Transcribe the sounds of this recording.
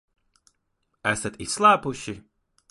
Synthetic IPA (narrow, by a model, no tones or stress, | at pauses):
æsat̪isːlˠaːpuʃi